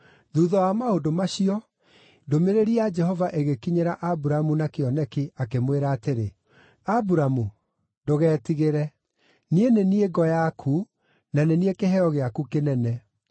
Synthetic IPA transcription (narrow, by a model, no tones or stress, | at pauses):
ðuðɔwamaodomaɕiɔ | domeɾeɾiad͡ʒɛɦɔvaʔeɣekiɲeɾaʔabuɾamunakeɔnɛkiakemweɾaːteɾe | abuɾamu | doɣɛːtiɣeɾɛ | nienenieɡɔjakʰu | naneniekeɦɛɔɣeakukenɛnɛ